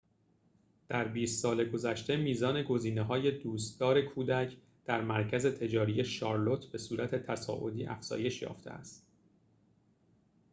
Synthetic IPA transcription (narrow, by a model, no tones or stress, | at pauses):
d̪̥æɾbiːst̪sɒːle̞ɡo̞zæʃt̪e̞miːzɒːne̞ɡo̞ziːneɦɒːje̞d̪uːst̪̚ɡɒːɾe̞kʰuːd̪æcʰ | d̪̥æɾmæɾcʰæze̞t̪ʰe̞d͡ʒɒːɾije̞ʃɒːɾlo̞t̪ʰbe̞suːɾæt̪ʰe̞t̪ʰæsɒ̰ːʔo̞̰d̪iːʔæ̰fz̥ɒ̰ːje̞ʃjɒ̰ːft̪ʰḛæ̰st̪̚